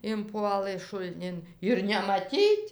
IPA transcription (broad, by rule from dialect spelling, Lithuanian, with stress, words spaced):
ɪnˈpuɔlˠɘ ʃʊlʲˈnʲɪn ɪr nʲɛmɐˈtʲiːtʲ